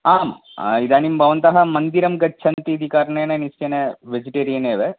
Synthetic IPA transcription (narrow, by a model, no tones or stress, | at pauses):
aːm | id̪aːnimbʱɐʋɐnt̪ɐɦɐmɐnd̪iɾɐmɡɐːt͡ʃʰɐnt̪iːd̪ʱikaːɾɐɳeːnɐnisenɐʋed͡ʒiʈeːɾijɐneːʋe